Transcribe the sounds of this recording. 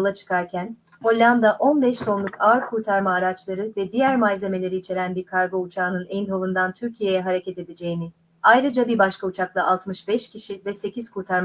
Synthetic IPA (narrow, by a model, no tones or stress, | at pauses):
lˠat͡ʃʰɯ̥kaɾcʰæn | ho̞lʲːand̪aʔo̞nbɛʃsʰo̞nlˠukʰaɾkʰuːt̪ʰaɾmaːɾat͡ʃlˠaɾɯvɛd̪ijæɾmad͡ʒze̞me̞lʲe̞ɾiːt͡ʃʰe̞ɾænbiɾkʰaɾɡo̞ut͡ʃʰaːnɯnɛnd̪ho̞lˠund̪ant̪ʰyɾcʰije̞jɛɦaɾece̞t̪e̞d̪ed͡ʒe̞jinɪ | ajɾɯd͡ʒabibaʃkaut͡ʃʰaklˠaʔalˠt̪mɯʃbɛʃcʰiʃivɛse̞cʰiz̥kʰuːt̪ʰaɾm